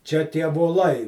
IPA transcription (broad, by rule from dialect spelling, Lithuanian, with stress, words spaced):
t͡ʃʲɛ tʲiɛ ʋoːˈlˠɐɪ